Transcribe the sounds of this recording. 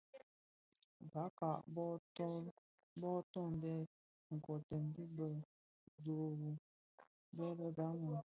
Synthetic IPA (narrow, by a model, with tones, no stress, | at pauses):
ba˨˦ka˨ʔbɔ˦tɔ˦ | bɔ˦tɔ˦˨n˨dɛ˦ | ŋ̩˨kɔ˨tə˨n̩˦di˦bə˨ | do˨ɾu˨ | bɛ˦bə˦ba˨˦mu˨